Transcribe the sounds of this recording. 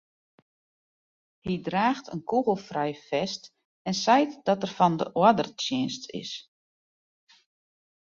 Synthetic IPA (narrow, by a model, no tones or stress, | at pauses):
hidraːxtʰənkʰuɣəl̩ˠfrɛjfɛst | ɛnsɛjtdɔtərfɔndəʔwədərtjɪənstʰɪ̰s